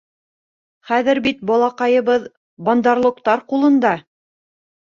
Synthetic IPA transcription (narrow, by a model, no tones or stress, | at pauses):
χæðɘɾbit̪̚bɒlˠɑqɑjɤ̆βɤð | bɑnd̪ɑɾlˠɤ̆q̚t̪ɑɾqulˠɤ̆nd̪ɑ